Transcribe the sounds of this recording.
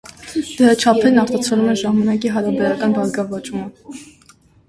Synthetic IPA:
d̪̥əɾɑt͡ʃʰɑpʰɛɾnɑɾt̪ɑt͡sʰɔlumɛʒɑmɑnɑk̬iɦɑɾɑbɛɾɑkɑnbɑɾɡɑvɑt͡ʃumə

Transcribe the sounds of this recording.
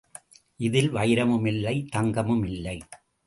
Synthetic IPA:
ʔɪðɪlʋɐjɪɾɐmɯmɪlːɐɪt̪ɐŋɡɐmɯmɪlːɐɪ

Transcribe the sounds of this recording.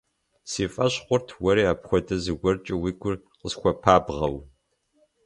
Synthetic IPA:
siːfʼɐɕχʷʊrtʰwɐɾiːaːpxʷɔdɐzɨɡʷɔrt͡ʃʼɪwiːɡʷʰʊr | qəsxʷɔpʰaːbʁɐw

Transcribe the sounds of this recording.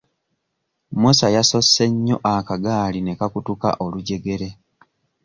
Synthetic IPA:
musajaso̞sːe̞ɲːo̞̰ʔakaɡaːline̞kakutuka̰ʔo̞luɟe̞ɡe̞ɾe̞

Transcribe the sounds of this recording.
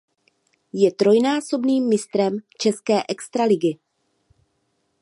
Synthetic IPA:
jɛt̪ɾo̞jnaːso̞bniːmːɪst̪ɾɛmt͡ʃɛskɛːʔɛkst̪ɾalɪɡɪ

